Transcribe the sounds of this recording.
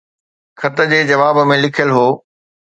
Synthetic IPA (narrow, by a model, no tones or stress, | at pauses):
kʰɐt̪ə̆d͡ʑeːd͡ʑɐʋaːbə̆mẽlɪkʰjəlɦoː